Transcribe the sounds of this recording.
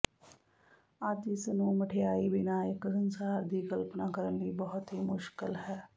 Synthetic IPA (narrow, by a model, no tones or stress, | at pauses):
aːt̪iːsənũːməʈʰejaːibɪnaːɪksənsaːɾd̪iːkəlpnaːkəɾənbiːbəɦʊt̪ɦiːmʊʃkɪlɦɛː